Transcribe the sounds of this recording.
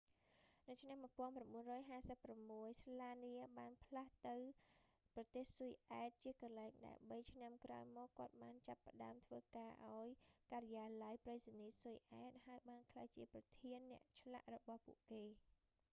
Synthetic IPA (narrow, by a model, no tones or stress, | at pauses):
nɨwt͡ɕʰnamːuəpŏənpramɓuənrɔːjɦaːsəpːramːuəjslaːniəɓaːnpʰlaht̪ɨw | prɑt̪eːhsujʔaɛt̪̚t͡ɕiəkɑlaɛŋɗa̰ɛmɓəjt͡ɕʰnamkra̰ɔjmɔːkːŏət̪̚ɓaːnt͡ɕapːə̆ɗaəmt̪ʰʋəːkaːʔaɔjkaɾəjaːlajprejsaniːsujʔaɛt̪̚haəjɓaːnkʰlaːjt͡ɕiəprɑt̪ʰiənːɛ̆əʔt͡ɕʰla̰ʔrɔɓɑhpṵəʔkeː